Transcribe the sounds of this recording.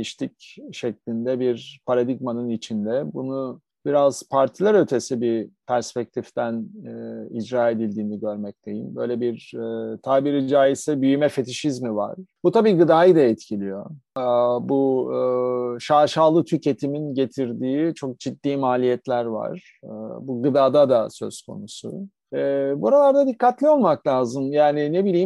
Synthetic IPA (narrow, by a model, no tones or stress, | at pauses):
iʃt̪ʰicʃɛclʲind̪ɛbiɾpʰaɾad̪iɡmanɯnit͡ʃʰind̪ɛbunu | b̥iɾaz̥pʰaɾt̪ʰilˠaɾø̞t̪ʰe̞sibipʰæɾspɛc̚t̪ʰift̪ʰæn | id͡ʒɾaːe̞d̪ilʲd̪iːniɟø̞ɾmɛc̚t̪ʰe̞jḭmbø̞̰jlʲɛbiɾt̪ʰaːbiɾid͡ʒaːisɛbyjymɛfe̞t̪ʰiʃizmiva̰ɾ̥but̪ʰabiːɡɯd̪aːjɯd̪aɛt̪cʰilʲijo̞ | bu | ʃaːʃaːlˠɯt̪ʰycʰet̪ʰiminɟe̞t̪ʰiɾd̪iːt͡ʃʰo̞k̚d͡ʒid̪ːiːmaːlʲijɛt̪lʲæɾva̰ɾ̥ | buɡɯd̪aːd̪ad̪asø̞̰skʰo̞̰nusʊ̰ | ɛbuaɾalˠaɾd̪ad̪ikʰːat̪lʲio̞lˠmaklʲaːzɯmjaːnɪnebilʲiːm